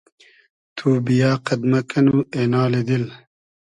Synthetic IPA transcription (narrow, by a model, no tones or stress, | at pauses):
t̪ʰuːbijaːqɐd̪mɐkɐnueːnaːled̪il